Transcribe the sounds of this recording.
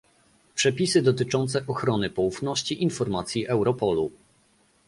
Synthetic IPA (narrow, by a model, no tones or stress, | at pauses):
pʂɛpʲisɘd̪ɔt̪ɘt͡ʂɔnt̪sɛʔɔxɾɔnɘpɔufnɔɕt͡ɕiʔinfɔɾmat̪sʲjiʔɛwɾɔpɔlu